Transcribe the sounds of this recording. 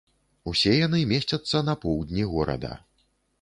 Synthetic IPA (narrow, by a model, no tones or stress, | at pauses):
usʲɛjanɨmʲesʲt͡sʲɐt̪sːɐnɐpɔwd̪ʲnʲiɣɔɾɐ̰d̪ɐ̰